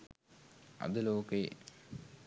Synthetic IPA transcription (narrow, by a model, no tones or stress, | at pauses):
ɐ̰d̪əloːkəḭ